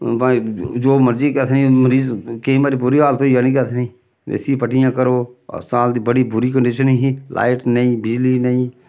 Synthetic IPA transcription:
pãːd͡ʒoːməɾd͡ʒiːkɛt̪ʰnĩːməɾiːzkeĩːbaːɾiːbʊɾiːɦaːlt̪õijaːnĩːkɛːt̪ʰnĩː | ḛːsipəʈɪjãːkəɾo̰ːsaːld̪iːbəɽiːbʊɾiːkəɳɖɪʃəniɦiːlʔa̰ːɪʈnəĩːbɪd͡ʒliːnəĩː

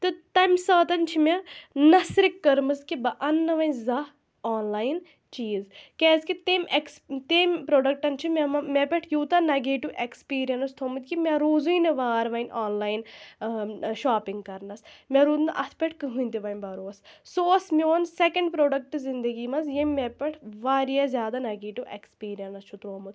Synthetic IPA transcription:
t̪ɨt̪ɐmʲsɐːt̪ɐnt͡ʃʰimʲɐnɐsɾikːɐɾmɨskibɐʔɐnːɐʋɐnzɐ | aːnlaːjn | t͡ʃiːzkʲeːskit̪emekst̪emʲpɾoːɖɐk̚ʈɐnt͡ʃʰimʲemɐmʲepʲeʈʰjuːt̪ɐnɐɡeːʈiʋʔekspiːɾijɐnɐst̪ʰomɨt̪ʲkimʲɐɾuːzujnɐʋaːɾʋɐnʔaːnlaːjn | ʃaːpiŋɡkɐɾnɐsmʲɐɾuːd̪nʔɐt̪ʰpʲeʈʰkɨɦunʲt̪iʋɐnʲbɐɾoːssoːsmʲoːnsekɐɳɖpɾoːɖɐk̚ʈɨzind̪ɐɡiːmɐzjemːepʲeʈʰʋaːɾijɐzʲjaːd̪anɐɡeːʈuʋekspiːɾijɐnɐst͡ʃʰut̪ɾoːmɐt̪

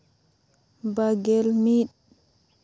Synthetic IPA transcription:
baɡɛlmiɗ

